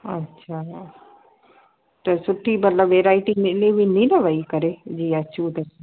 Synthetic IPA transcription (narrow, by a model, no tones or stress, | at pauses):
ɐ̰tːɕʰa | t̪ɐsʊʈʰimɐt̪ləbʋeːɾaːɪʈinɪleʋininɐʋɐikɐɾed͡ʑiːɐt͡ɕuːt̪ɐs